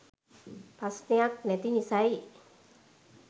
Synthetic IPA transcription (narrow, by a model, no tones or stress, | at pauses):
pasneak̚nɛt̪inisaj